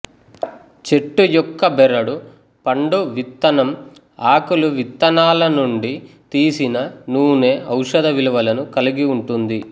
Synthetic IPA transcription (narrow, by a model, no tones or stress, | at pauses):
t͡ʃe̞ʈːujɔkːɐbɛɾɐɽu | pɐɳɖuʋit̪ːɐnɐm | aːkuluʋit̪ːɐnaːlɐnuɳɖi | t̪iːsinɐnuːne̞ːʔɐwʂɐd̪ɐʋiluʋɐlɐnukɐliɡiuɳʈund̪i